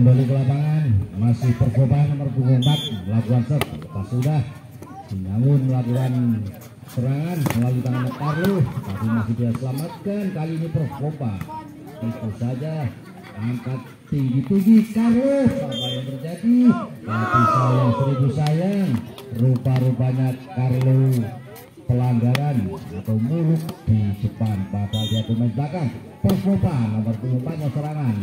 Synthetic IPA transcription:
ənbolik̬əlapaŋanmasɪhpərkobanamarpuɡumpat̪̚məlakuansəp̚up̪asudah | siŋaŋʊnməlakuan | səɾaŋansəalut̪aŋanəkarlohət̪apimasɪhdiasəlamat̪̚kankaliːnipərfkoba | it̪usad͡ʒa | ampat̪ːiŋɡit̪ud͡ʒikarlosampajaŋt̪ərd͡ʒadit̪apisajasəɾibusajarupaɾupaɲakːarlo | pəlaŋɡaɾanat̪awmulʊk̚d̥isəpanpapadiat̪əmaɪsbakan | pərskopanampərt̪ulumpaɲasəɾaŋan

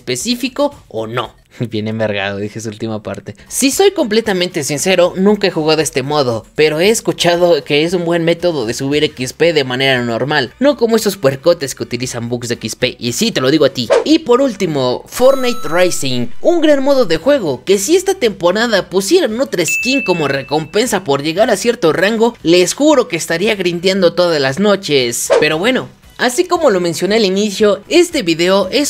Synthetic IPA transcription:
espe̞sifiko̞̰ːno̞̰ | bje̞nemeɾɣa̰ðoðisesuult̪imapa̰ɾt̪e̞siso̞jko̞mple̞t̪amẽnt̪esinse̞ɾo̞nũŋkae̞xuɣaðoe̞st̪e̞mo̞ðo̞pe̞ɾo̞e̞ːskut͡ʃaðo̞ke̞es̬umbwe̞nme̞t̪o̞ðoðesuβiɾekispe̞ðe̞mãne̞ɾanoɾmalno̞ko̞moe̞so̞spweɾko̞t̪e̞ske̞ut̪ilisambukzd̪eekispeʔisit̪e̞lo̞ðiɣat̪iipo̞ɾult̪imo̞foɾnajt̪rajsiŋuŋɡɾanmo̞ðo̞ðe̞xwe̞ɣ̞o̞ke̞sie̞st̪at̪e̞mpo̞ɾaðapusje̞ɾannot̪ɾeskiŋko̞mo̞re̞ko̞mpe̞nsapo̞ɾʝe̞ɣaɾasje̞ɾt̪o̞raŋɡole̞sxuɾo̞keːst̪aɾiaɣɾind̪jand̪o̞t̪o̞ðazlazno̞t͡ʃe̞spe̞ɾo̞βwe̞no̞ | asiko̞mo̞lo̞mẽ̞nsjo̞ne̞alinisjo̞e̞st̪e̞βiðe̞o̞ʔe̞s

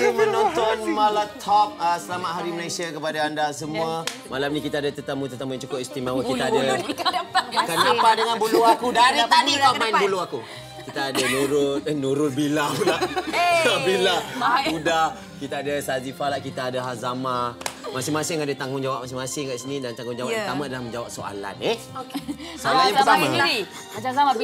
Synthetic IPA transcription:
kumə̃nɔ̃nt̪ɔnmalat̪ʰɔp̚əsəlamaʔɦaɾiməlasiakəpadaːndasəmua | malamnikit̪aːdat̪ərt̪əmũt̪ərt̪əmujaŋt͡ʃukʊpist̪imawəkit̪aada | kaniapadəŋanbuluakudaniap̪anitamainbuluaku | kit̪aadanuɾʊt̪̚nuɾʊt̪̚bilawla | abilauda | kit̪aːdasazifalaʔkit̪aːdaɦazamamasɪŋmasɪŋadat̪aŋɡʊŋd͡ʒawap̚mas̬ɪŋmasɪŋkaʔsinĩdant̪aŋɡʊŋd͡ʒawaʔəət̪amãadalahməɲd͡ʒawap̚soa̰la̰neh | salajaŋət̪amai | a

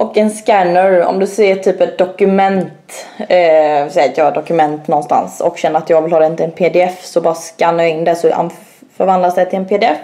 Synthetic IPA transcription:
ʔɔkɛnskænəɾɔ̰md̪ɵsɛjːəʈʰyːpɛt̪̚d̪ɔkɵmɛnt̪ː | sɛjɑːd̪ɔkɵmɛnt̪nɔnst̪a̰nsɔ̰kɕɛnːəɾat̪jɑːɡvɪlhɑːd̪ɛɪnt̪ɛnpʰeːd̪ɪɛfsɔbɑːɾaskanːajɑɪnd̪æsɔha̰n | fœɾvand̪lasdɛt̪ʰɪlɛnpʰeːd̪ɪɛf

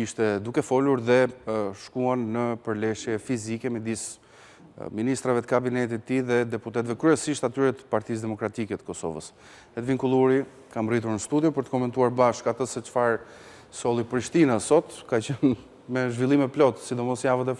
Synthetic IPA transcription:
iʃt̪ɛd̪ukɛfɔluɾðɛʃkuanːəpəɾlɛʃjɛfizikɛməd̪is | minist̪ɾavɛt̪ə̥kabinɛt̪̬it̪ət̪ːiðɛd̪ɛput̪ɛt̪vɛkɾyɛsiʃt̪at̪yɾɛt̪ə̥paɾt̪is̬d̪ɛmɔkɾat̪ikɛt̪ə̥kɔsɔ̰və̰s | ɛt̪viŋkulˠuɾi | kamrit̪̬uɾnəst̪ud̪jɔpəɾt̪ə̥kɔmɛnt̪uaɾbaʃkat̪əsɛt͡ʃfaɾ | sɔlˠipɾiʃt̪inasɔt̪kat͡ɕən | mɛʒvilˠimɛplɔt̪sid̪ɔmɔsjavət̪ɛ

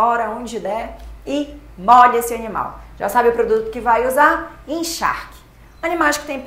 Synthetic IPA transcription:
ɔɾɐõd͡ʒɪd̪ɛɪ | mɔʎesɪɐnima̰wʒ̥a̰sabɪʊpɾod̪ut̪ʊ̥kɪvajuzaɾẽj̃ʃa̰ɾkɪ̥ | ɐnĩmajskɪ̥t̪ẽj̃p

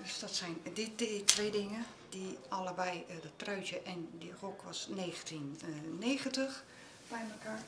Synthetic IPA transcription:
d̥øsdɔtsɛjndidetʰʋeːdɪŋə | d̥ialəbɛjdətrœɥtjəʔɛndixokʰʋɔsneːɣəntinːeːɣəntəx | b̥ɛjməka

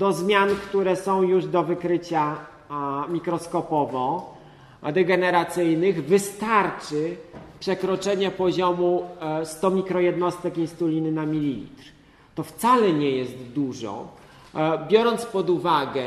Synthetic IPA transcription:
d̪̥ɔzmʲjankt̪uɾɛsɔ̃w̃juʐd̪ɔvɘkɾɘt͡ɕa | mʲikɾɔskɔpɔvɔ | d̪ɛɡɛnɛɾat̪sɘjnɘɣvɘst̪aɾt͡ʂɘpʂɛkɾɔt͡ʂɛɲɛpɔʑɔmust̪ɔmʲikɾɔjɛd̪nɔst̪ɛkinst̪ulʲinɘnamʲilʲilʲḭt̪ɾ | t̪ɔft̪salɛɲɛjɛst̪d̪uʐɔ̰ | bʲjɔɾɔnt̪spɔd̪uvaɡɛ

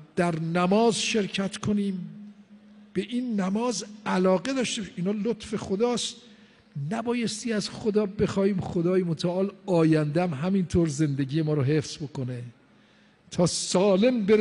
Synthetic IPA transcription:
d̪̥æɾnæmɒːzʃe̞ɾcʰæt̪kʰoniːm | b̥e̞ʔinːæmɒːzælɒːɡe̞d̪ɒːʃt̪ebɒʃeiːnɒːlot̪fexod̪ɒːst̪̚ | næbɒːjest̪iːæz̥xod̪ɒːbe̞xɒːhiːmχod̪ɒːjemot̪ʰæʔɒːlɒːjænd̪eæmɦæmint̪ʰoːɾze̞nd̪eɟiːjemɒːɾoɦe̞fsbo̞kone | t̪ʰɒːsɒːle̞mbeɾ

